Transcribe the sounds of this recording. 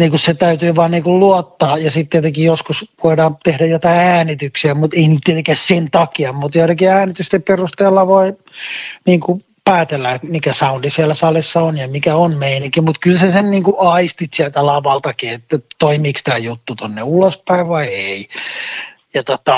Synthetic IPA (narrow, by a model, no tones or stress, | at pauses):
niːŋkusset̪æyt̪yːʋɑːnniːkulluot̪ːɑːjɑsit̪t̪ːiet̪eŋkijjoskusʋoidɑːmt̪ehɾæjot̪ɑiæːnit̪yksiæmut̪einyt̪t̪iet̪eŋkæhsent̪ɑkiɑmut̪joit̪ekiæːnit̪yst̪epperust̪eːlːɑʋoi | niːŋku | pæːt̪elːæet̪mikæsɑundisiælːæsɑlisːɑonjɑmikæonmeiniŋkimut̪kylsesenniːŋkuʔɑist̪it̪siælt̪ælɑʋɑlt̪ɑkiet̪ːæt̪oimiːkst̪æːjut̪ːut̪onːeulospæiʋʋɑiei | jɑt̪ot̪ɑ